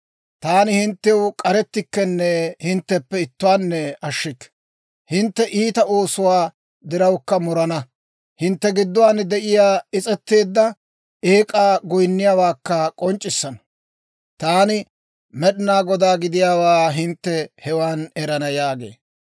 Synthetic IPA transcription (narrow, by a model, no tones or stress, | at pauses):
t̪aːnɪhɪnt̪ːɛwkʼɐɾɛt̪ːɪkːɛnːɛhɪnt̪ːɛpːɛɪt̪ːʊwaːnːɛɐʃːɪkː | hɪnt̪ːɛʔiːt̪ɐʔo̞ːsʊwaː | d̪ɪɾɐwkːɐmɔɾɐnɐ | hɪnt̪ːɛɡɪd̪ːʊwaːnd̪ɛʔɪjaːɪt͡sʼɛt̪ːe̞ːd̪ːɐ | eːkʼaːɡɔjnːɪjaːwaːkːɐkʼɔnt͡ʃʼːɪsːɐnɐ̥ | t̪aːnɪ | mɛɗnaːɡɔd̪aːɡɪd̪ɪjaːwaːɦɪnt̪ːɛhɛwaːnɛɾɐnɐjaːɡe̞̰ː